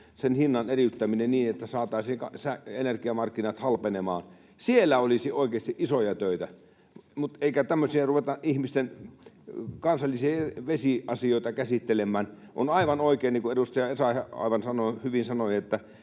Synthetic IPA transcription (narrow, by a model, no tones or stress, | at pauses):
senhinːɑnerit̪ːæminenniːnet̪ːæsɑːt̪ɑˑisiːŋkɑsæenerkiɑmɑrkːinɑt̪hɑlpenemɑ̰ːn | sielːæolisiʔoˑikeːˑst̪iʔisojɑt̪øˑit̪æ | mut̪eikæt̪æmːøsiæruʋet̪ɑʔʔihmist̪en | kɑnsɑlːisiʋesiʔɑsioˑit̪ɑkæsit̪ːelemːˑæːn | ʔo̰nɑiʋɑnoˑikeːniːkuedust̪ɑjɑesɑhɑɑ̰ˑiʋɑnsɑnohyʋinsɑnojet̪ːæ